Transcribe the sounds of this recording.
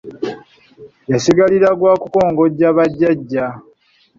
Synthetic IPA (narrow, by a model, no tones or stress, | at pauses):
jasiɡaliɾaɡwaːkuko̞ːŋɡo̞ɟaβaɟːaɟːa